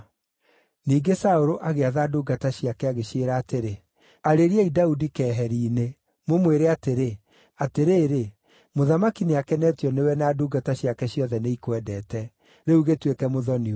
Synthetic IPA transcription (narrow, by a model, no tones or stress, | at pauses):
niːɡesaoɾoʔaɣeaðaduːɡataɕjakɛaɣeɕeɾaːteɾe | aɾeɾiɛidaudikɛːɦɛɾiːne | momweɾeateɾe | ateɾeːɾe | moðamakineakɛnɛːtijɔnewɛnaːduːɡataɕjakɛɕjɔðɛneikwɛdɛːtɛ | ɾeuɣetwekɛmoðɔni